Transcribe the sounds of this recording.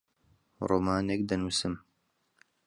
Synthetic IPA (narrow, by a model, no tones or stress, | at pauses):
roːmaːnek̚d̪ɐnuːsɨm